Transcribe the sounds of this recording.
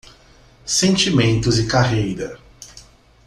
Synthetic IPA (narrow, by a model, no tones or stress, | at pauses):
sẽnt͡ʃimẽnt̪ʊzɪkaɦejɾɐ